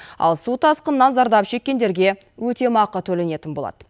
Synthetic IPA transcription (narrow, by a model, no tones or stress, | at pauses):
ɑ̰lˠsut̪ʰɑsqənːɑnzɑɾd̪ɑpʒe̞kʲːe̞nd̪e̞ɾɡʲe̞ | wɵt̪e̞mɑqːət̪ʰɵle̞ne̞t̪ɪnbo̞lˠɑ̰d̪ə